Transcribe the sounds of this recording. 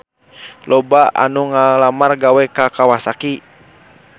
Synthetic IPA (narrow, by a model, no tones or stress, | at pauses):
lɔbaʔa̰nuŋalamarɡawɛkakawasaki